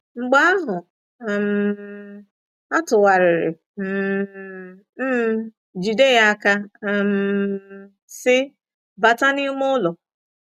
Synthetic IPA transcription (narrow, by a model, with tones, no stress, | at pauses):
ŋ͡m̩˦˨ɡ͡ba˦a˦ɦʊ˨ | m̩˨ | a˦tʊ˨wa˨ɾɪ˨ɾɪ̰˨˦ | d͡ʒi˨de˦˨ja˦ka˦˨m̩˨ | sɪ˦ | ba˨ta˦ni˦mʊ˦lɔ˨